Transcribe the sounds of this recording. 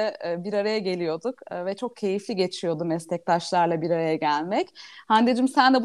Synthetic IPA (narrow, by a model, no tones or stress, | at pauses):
ɛbiɾaɾajaɟe̞lʲijo̞d̪ukːvɛt͡ʃʰo̞k̚cʰe̞jiflʲiɟe̞t͡ʃʰijo̞d̪umɛst̪ɛc̚t̪aʃlˠaɾlˠabiɾaɾajaɟælʲmɛchand̪ed͡ʒimsænd̪ɛb